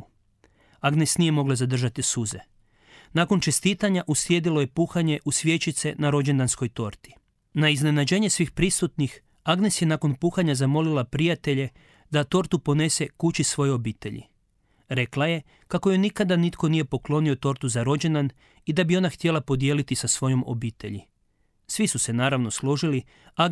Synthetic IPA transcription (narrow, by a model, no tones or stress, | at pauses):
aɡnesnije̞mo̞ɡlˠazad̪r̩ʒat̪isuze̞̰ | nako̞nt͡ʃe̞st̪iːt̪aɲaʔuslje̞d̪ilo̞je̞puːxaɲe̞ʔusʋje̞t͡ɕit̪se̞naɾo̞d͡ʑe̞nd̪ansko̞jt̪o̞ɾt̪i̥ | naizne̞nad͡ʑe̞ːɲe̞sʋiːxpɾisut̪nix | aɡnesje̞nako̞npuːxaɲazamo̞lilapɾijat̪e̞ʎe̞ | d̪at̪o̞ɾt̪upo̞ne̞se̞kut͡ɕisʋo̞jeo̞biːt̪e̞̰ʎḭ | ɾe̞klaje̞ | kakojojnikad̪anit̪ko̞nije̞po̞klˠo̞nio̞t̪o̞ɾt̪uzaɾo̞d͡ʒe̞nd̪an | id̪abio̞naxt̪je̞lapo̞d̪ijelit̪isasʋo̞jo̞mo̞̰biːt̪e̞̰ʎḭ | sʋisuse̞naːɾaʋno̞slˠo̞ʒili | a